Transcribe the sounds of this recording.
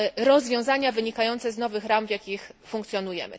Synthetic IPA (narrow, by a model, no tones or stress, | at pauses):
ɾɔzvʲjɔ̃w̃zaɲavɘɲikajɔnt̪sɛznɔvɘxɾamvʲjakʲixfuŋkt̪sʲjɔnujɛ̰mɘ̰